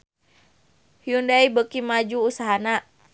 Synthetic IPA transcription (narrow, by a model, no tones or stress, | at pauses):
hiundaibəkimad͡ʒuːsaɦana